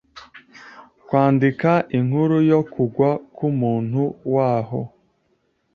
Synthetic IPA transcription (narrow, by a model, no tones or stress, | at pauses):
kwaːndikaʔiŋhuɾujokuɡwakumuːn̥huwaːɦo